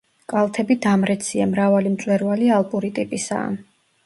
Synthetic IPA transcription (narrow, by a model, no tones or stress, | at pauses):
kʼalˠt̪ʰɛbid̪amɾɛt̪sʰiamɾavalimt̪sʼwɛɾvalialˠpʼuɾit̪ʼipʼisa̰ːn